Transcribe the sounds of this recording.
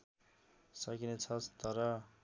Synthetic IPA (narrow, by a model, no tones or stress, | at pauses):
sʌkinet͡sʰʌt̪ʌɾʌ